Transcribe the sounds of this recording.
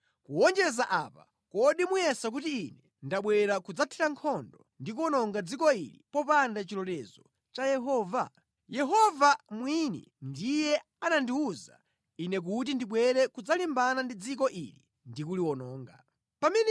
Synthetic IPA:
kuɔnd͡ʒɛzaʔapa̰ | kɔɗimujɛsak̬utiːnɛ | ndaɓwɛɾakud͡zatʰiɾaŋkʰɔndɔndik̬uwɔnɔŋɡad͡zikɔḭlḭpɔpandat͡ʃilɔtɛzɔ | t͡ʃajɛɦɔːva | jɛɦɔvamwinḭ | ndijɛ | anandiuza̰ | inɛk̬ut̬indiɓwɛɾɛkud͡zalimbanandid͡zik̬ɔʔḭli | ndikuliwɔnɔːŋɡa | pamɛnɛ

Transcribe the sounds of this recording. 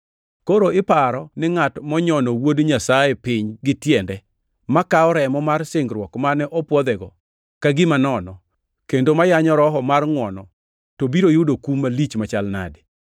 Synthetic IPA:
koɾoɪpaɾɔnɪŋatmɔɲɔnɔwodɲasajɛpɪɲɡɪtjɛndɛ | makaɔɾɛmɔmarsɪŋɡɾwɔkmanɛʔɔpwɔd̪ɛɡɔ | kaɡɪmanɔnɔ | kendomajaɲɔɾɔɦɔmarŋwɔnɔ | tobiɾojʊdokumalit͡ʃmat͡ʃalna̰dɪ

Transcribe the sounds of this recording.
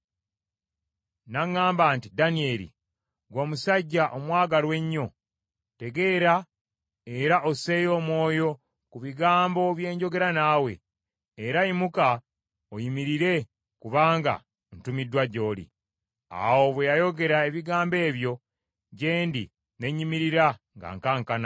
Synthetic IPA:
naŋːaːmbaːntidanie̞ɾḭ | ɡwoːmusaɟːaʔomwaːɡalwe̞ɲːo̞ | te̞ɡe̞ːɾa | e̞ɾaʔose̞jo̞ːmwo̞ːjo̞ | kuβiɡaːmbo̞βje̞ːɲɟo̞ɡe̞ɾanaːwe̞̰ | eɾaimuka | ojimiɾiɾe̞ | kuβaːŋɡa̰ | n̩tumidːwaɟo̞ːlḭ | a̰wo̞βwejajo̞ɡe̞ɾae̞βiɡaːmbe̞ːβjo̞ | ɟe̞ːndḭ | ne̞ɲːimiɾiɾa | ŋɡa̰ŋkaŋkana

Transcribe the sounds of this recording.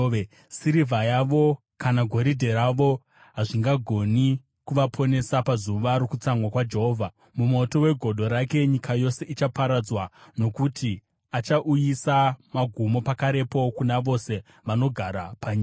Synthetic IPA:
siɾivʱajaʋo̞ | kanaɡʱo̞ɾidʱe̞ɾaʋo̞ | ɦaʐiŋɡaɡʱo̞ni | kuʋapʰo̞ne̞sapazuʋaɾokut͡saŋwakwad͡ʒe̞ɦoːvʱa | mumo̞to̞we̞ɡʱo̞ɗʱo̞ɾake̞ɲikajo̞se̞it͡ʃapaɾad͡zwano̞kutʰi | at͡ʃaʔujisamaɡʱumo̞pakaɾe̞po̞kunaʋo̞se̞ | ʋano̞ɡʱaɾapaɲiːa

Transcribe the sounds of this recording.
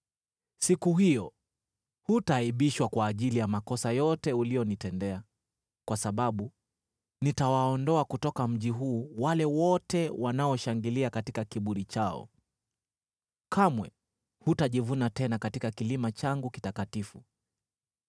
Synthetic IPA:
sikuɦijɔ | hutaiɓiʃwakwaːʄilijamakɔsajɔtɛulijɔnitɛndɛa | kwasaɓaɓu | nitawaɔndɔakutɔkam̩ʄiɦuːwalɛwɔtɛwanaɔʃaŋɡiliakatikakiɓuɾit͡ʃaɔ̰ | kʰamwɛ | hutaʄivunatɛnakatikakilimat͡ʃaŋɡuki̥takatifu

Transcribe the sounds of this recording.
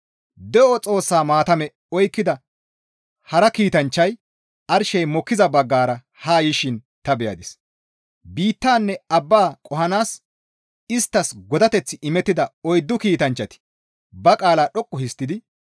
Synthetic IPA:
d̪ɛʔɔt͡sʼo̞ːsːaːmaːt̪ɐmɛ | ɔjkːɪd̪ɐ | hɐɾɐkiːt̪ɐnt͡ʃːɐj | ɐɾʃɛjmɔkːɪzɐbɐɡːaːɾɐ | haːjɪʃɪn | t̪ɐbɛjɐ̰d̪ɪs | biːt̪ːaːnːɛɐbːaːkʼɔhɐnaːs | ɪst̪ːɐsɡɔd̪ɐt̪ɛt͡sːɪʔɪmɛt̪ːɪd̪ɐɔjd̪ːʊkiːt̪ɐnt͡ʃːɐt̪ɪ̥ | bɐkʼaːlaːɗɔkʼːʊhɪst̪ːɪd̪ɪ

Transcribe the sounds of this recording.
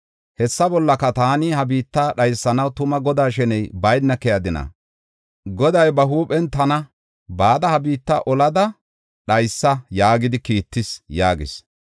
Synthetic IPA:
hɛsːɐbɔlːɐkːɐt̪aːnɪhɐbiːt̪ːaɗɐjsːɐnɐwt̪ʊmɐɡɔd̪aːʃɛnɛjbɐjnːɐkɛjɐd̪ɪnɐ̰ | ɡɔd̪ɐjbɐɦuːpʼɛnt̪ɐnɐ | baːd̪ɐhɐbiːt̪ːɐ̰ʔɔlɐd̪ɐ | ɗɐjsːɐjaːɡɪd̪ɪkiːt̪ːɪsjaːɡɪs

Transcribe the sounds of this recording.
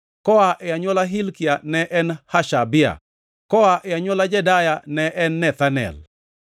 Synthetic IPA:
kɔaʔɛaɲwɔlaɦilkianɛʔɛnhaʃabɪa̰ | kɔaʔɛaɲwɔlad͡ʒɛdajanɛʔɛnːɛt̪anɛ̰l

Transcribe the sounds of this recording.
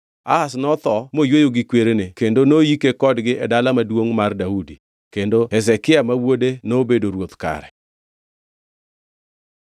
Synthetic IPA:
a̰asnɔt̪ɔmojwojoɡɪkweɾenekendonojikekɔdɡɪʔɛdalamadwoŋmardaudi | kendoɛzɛkɪamawodenobedoɾwot̪ka̰ɾɛ̰

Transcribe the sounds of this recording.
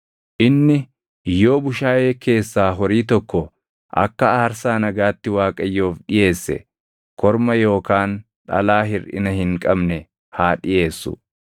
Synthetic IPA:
ʔɪnːɪ | jo̞ːbʊʃaːje̞ːke̞ːsːaːɦɔɾiːt̪ɔkːɔ | ʔɐ̰kːɐaːɾsaːnɐɡaːt̪ːɪwaːkʼɐjːo̞ːfᶑɪje̞ːsːɛ̰ | kʰɔɾmɐjo̞ːkaːn | ᶑɐ̰laːɦɪrɪ̰nɐhɪŋkʼɐbnɛ | haːᶑɪje̞ːsːʊ̰

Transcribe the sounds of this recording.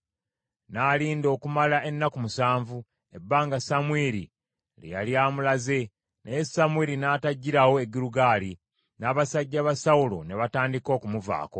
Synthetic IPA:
naːliːndo̞ːkumalae̞nːakumusaːɱvu | e̞bːaːŋɡasamweɾḭ | lḛja̰ljaːmulaze̞ | nejesamweɾinaːtaɟːiɾawo̞e̞ɡiɾuɡaːli | naːβasaɟːaβasawulo̞̰ne̞βataːndiko̞ːkumuva̰ːko̞

